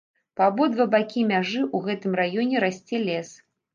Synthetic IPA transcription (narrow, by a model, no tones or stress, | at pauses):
pabɔd̪vɐbakʲimʲaʐɨʔuɣɛt̪ɨmrajɔnʲɛɾasʲt͡sʲɛlʲɛs